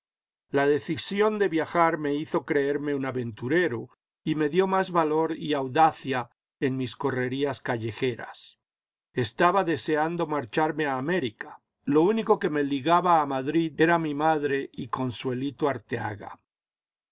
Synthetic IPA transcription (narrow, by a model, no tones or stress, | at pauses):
laðe̞θisjo̞nd̪e̞βjaxaɾme̞iθo̞kɾe̞e̞ɾme̞unaβe̞nt̪uɾe̞ɾu | ime̞ðjo̞mazβalo̞ɾiawðaθja | enmisko̞re̞ɾiaskaʝe̞xe̞ɾa̰s | e̞st̪aβaðe̞se̞and̪o̞maɾt͡ʃaɾme̞aːme̞ɾika | lo̞uniko̞ke̞me̞liɣaβaːmaðɾiðe̞ɾamimaðɾe̞ʔiko̞nswe̞lit̪oaɾt̪ea̰ɣa̰